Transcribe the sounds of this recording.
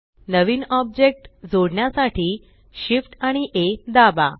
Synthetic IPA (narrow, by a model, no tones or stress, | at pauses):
nəʋiːnɔb̚d͡ʑek̚ʈd͡zoɽɳjasaʈʰiː | ɕifʈaɽ̃iʔed̪aba̰